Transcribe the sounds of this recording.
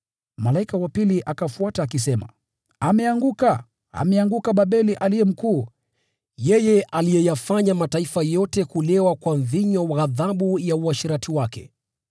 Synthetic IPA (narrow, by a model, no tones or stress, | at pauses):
malaikawapiliʔakafuataːkis̬ɛma̰ | amɛaŋɡuka | a̰mɛaŋɡukaɓaɓɛliʔalijɛm̩kuː | jɛjɛʔalijɛjafaɲamataifajɔtɛkulɛwakwanðiɲɔwaaðaɓujauaʃiɾatiwakɛ̰